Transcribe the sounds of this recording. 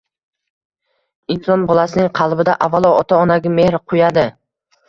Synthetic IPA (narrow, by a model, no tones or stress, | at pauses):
insɒnbɒlˠasɪnɪŋqʰɑlˠbɪd̪aʔavːalˠɒɒt̪ʰaɒnaɡʲame̞hɾqʰʊjad̪ɪ